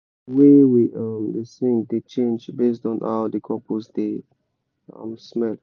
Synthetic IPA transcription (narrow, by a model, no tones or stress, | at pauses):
wɛwiʔamdesĩŋdet͡ʃẽnd͡ʒbestɔ̃nʔa̰dəkʰɔposde | a̰msmɛl